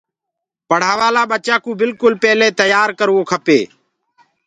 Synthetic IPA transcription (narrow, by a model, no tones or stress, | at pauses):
pəɽ̤aːʋaːlaːɓət͡ʃaːkũːbɪlkʊlpeːleːt̪əjaːɾkəɾʋoːkʰəpḛː